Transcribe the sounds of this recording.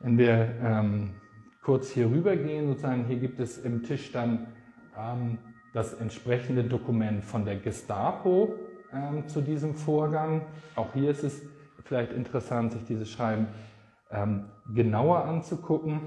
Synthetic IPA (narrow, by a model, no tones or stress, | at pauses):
vɛnviːɐʔɛːmkʰʊɐt͡shiːɐʁ̞yːbɐɡeːənzont͡szaːɡŋ̩ɦiːɐɡiːp̚tɛsɪmtʰɪʃd̥an | ʔɛːm | d̥asɛntʃpʁ̥ɛçn̩dədokumɛntfɔndeːɐɡɪstaːpʰoʔɛːmt͡sudiːzəmfoːɐɡaŋʔaʊxhiːɐɪstɛs | fɪlaɪçtɪntəʁəsantz̥ɪçd̥iːzəsʃʁ̥aɪbm̩ | ʔɛːmɡənaʊɐʔant͡sukʰʊkŋ̩